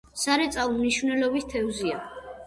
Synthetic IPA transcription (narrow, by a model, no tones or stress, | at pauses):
saɾɛt̪sʼalˠmniʃvnɛlɔbist̪ʰɛvzia